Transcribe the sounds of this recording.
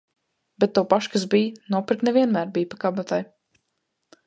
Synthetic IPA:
bɛt̪̚ːawpaʃkasbijnuɔpiɾknɛvʲiɛnmæːɾbijpakabat̪aj

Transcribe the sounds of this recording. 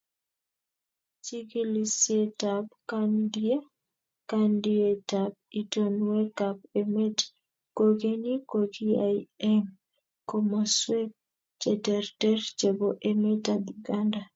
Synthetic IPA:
t͡ʃiɡilisjetabkandie | kandietab̚itonwekap̚emɛt | koɡenikoɡiajɛm | komɔswɛt̚ | t͡ʃɛtɛrtɛrt͡ʃeboʔemɛtad̪uɡanda

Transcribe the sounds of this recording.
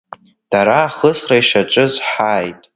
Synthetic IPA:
d̥aɾaːχəsraiʃat͡ʃʼɨzħaːjtʼ

